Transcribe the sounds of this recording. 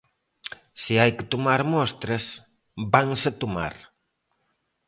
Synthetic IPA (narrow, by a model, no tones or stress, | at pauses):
siajkɪt̪umaɾmɔst̪ɾɐs | baŋsat̪uma̰ɾ